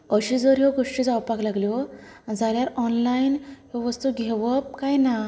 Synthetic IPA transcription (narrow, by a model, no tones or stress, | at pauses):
əɕid͡zɔɾɦɔɡoʂʈid͡zawpaklaɡljɔd͡zaljaɾɔnlainɦɔʋəst̪uɡʱeʋəp̚kajna